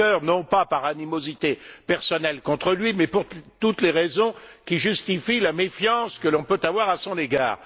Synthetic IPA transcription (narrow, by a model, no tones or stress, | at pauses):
œːʁnɔ̃papaʁanimozit̪epɛʁsɔnɛlkɔ̃t̪χəlɥimɛpuʁt̪ut̪leʁezɔ̃kʲiʒyst̪ifilamefjɑ̃skəlɔ̃pøt̪avwaʁasɔ̃neɡa̰ːʁ